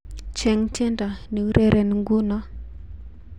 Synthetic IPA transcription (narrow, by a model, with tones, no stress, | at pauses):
t͡ʃɛ˨ŋtɛ˦nda˨ne˨u˦ɾʔe˦˨ɾe˨ni˨ŋɡu˦na˦